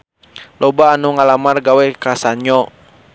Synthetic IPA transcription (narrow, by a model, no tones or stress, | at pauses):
lʔɔbaːnuŋalamarɡawɛkasaɲɔ